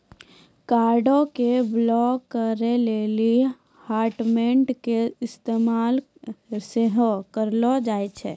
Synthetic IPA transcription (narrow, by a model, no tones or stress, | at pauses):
kaːɾɖõkeblɔːkːəɾeleːli | haːɾʈmẽɳʈkeɪst̪eːmaːl | seɦkəɾlɔd͡ʒaːet͡ʃʰɛː